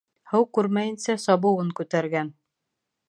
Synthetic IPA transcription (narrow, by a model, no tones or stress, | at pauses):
hɤwkʉɾmæjɘ̆nsæsɑbɤ̆wɤŋkʉt̪æɾɡæn